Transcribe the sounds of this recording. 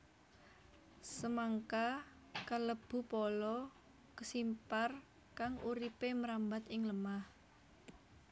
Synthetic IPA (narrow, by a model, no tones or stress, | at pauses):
səmaŋka | kaləb̥ṳpɔlɔ | kəsimpar | kaŋʔuɾipeməɾambat̪ɪŋləmah